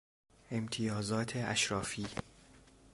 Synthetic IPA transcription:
ʔemt̪ʰijɒːzɒːt̪ʰeæ̰ʃɾɒːfiː

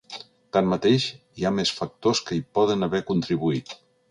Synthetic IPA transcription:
t̪anmət̪eʃ | iamesfək̚t̪oskəipɔðənəβɛkunt̪ɾiβ̞uit̪

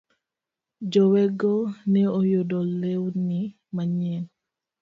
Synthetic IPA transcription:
d͡ʒɔwɛɡɔnɛɔjɔdɔlːɛwni | maɲɛn

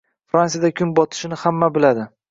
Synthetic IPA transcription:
fɾansijad̪akʲʰʊnbɒt̪ʰɪ̥ʃɪnɪhamːabɪlad̪ɪ

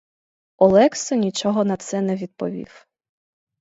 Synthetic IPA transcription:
ɔlˠɛksɔnʲit͡ʃɔɦɔnɐt̪sɛnɛʋʲid̪̚pɔʋʲḭw

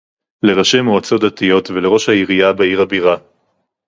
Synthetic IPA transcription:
le̞ʁaʃemoat͡so̞tatijo̞tvele̞ʁo̞ʃhaiʁijabeiʁhabiʁa

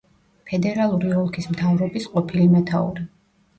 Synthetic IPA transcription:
pʰɛd̪ɛɾalˠuɾiɔlˠkʰismt̪ʰavɾɔbisqʼɔpʰilimɛt̪ʰaṵɾi

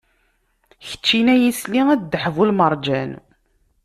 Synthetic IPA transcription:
çə̥t͡ʃːinæjisliŋæd̪d̪ːəħvulməɾˤd͡ʒæn

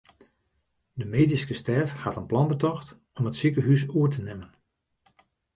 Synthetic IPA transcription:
dəmeːdiskəstɛrfhatənplɑnbətɔxt | ɔmətsikəɦysuətənɪmən

